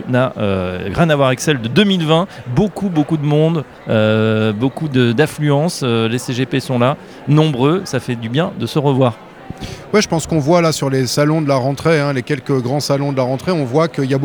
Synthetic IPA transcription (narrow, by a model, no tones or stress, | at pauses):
naʔøʁjɛ̃navwaʁaɛksɛld̪əd̪əmilvɛ̃bokubokud̪əmɔ̃d̪ | øbokud̪əd̪ãflyɑ̃søleseʒepesɔ̃la | nɔ̃bʁøsafɛd̪ybjɛ̃d̪əsəʁəvwaːʁ | wɛʒəpɑ̃skɔ̃vwalasyʁlesalɔ̃d̪əlaʁɑ̃t̪χeɛ̃lekʲɛlkəɡʁɑ̃salɔ̃d̪əlaʁɑ̃t̪χeɔ̃vwakəiljabo